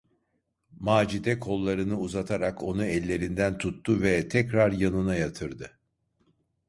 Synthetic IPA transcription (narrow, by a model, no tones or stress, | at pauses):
maːd͡ʒid̪ɛkʰo̞lˠːaɾɯnɯuzat̪ʰaɾakʰo̞nuɛlʲːe̞ɾind̪ænt̪ʰut̪ːuvɛt̪ʰɛcɾaɾjanɯnajat̪ʰɯɾd̪ɯ